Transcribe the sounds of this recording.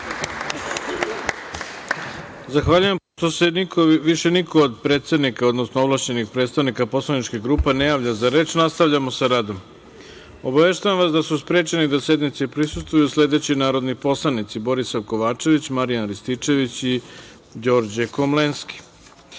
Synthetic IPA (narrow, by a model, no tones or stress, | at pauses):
zaxʋaʎuje̞m | t̪osenikʰoʋiʃe̞nikʰoːd̪pɾe̞ːt̪sed̪nikaod̪nosnoovlˠaʃt͡ɕe̞nixpɾet̪st̪aʋnikapo̞slˠanit͡ʃkiɡɾuːpenejaːʋʎazaɾe̞ːt͡ʃnast̪aʋʎamo̞saɾaːd̪o̞m | o̞baʋe̞ʃt̪ajamʋasd̪asuspɾe̞ːt͡ʃenid̪ase̞d̪nit̪sepɾisust̪ʋujusle̞d̪e̞t͡ɕinaːɾo̞d̪nipo̞slˠanit̪sibo̞ɾisaʋko̞ʋaːt͡ʃe̞ʋit͡ɕmaɾijanɾist̪it͡ʂe̞ʋit͡ɕi | d͡ʑo̞ːɾd͡ʑeko̞mlenski̥